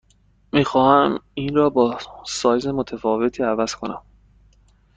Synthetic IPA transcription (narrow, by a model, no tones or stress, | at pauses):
miːxɒːhæmiːnrɒːbɒːsɒːjzemot̪ʰæfɒːve̞t̪ʰiːævæz̥kʰo̞næ̰m